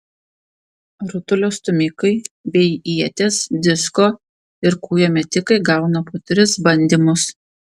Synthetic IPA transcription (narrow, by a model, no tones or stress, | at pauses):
ɾʊt̪ʊlʲoːst̪ʊmʲɪkɐɪbʲɛɪiɛt̪ʲeːsd̪ʲɪskoː | ɪɾkuːjoːmʲɛt̪ʲɪkɐɪɡɐˑʊnɐpoːt̪ʲɾʲɪsbɐnʲd̪ʲimʊs